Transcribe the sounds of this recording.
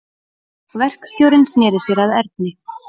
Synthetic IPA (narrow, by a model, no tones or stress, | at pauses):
vɛr̥kst̪jowɾɪnsnɪːðɪsjɛɾaðɛɾt̪̚nɪ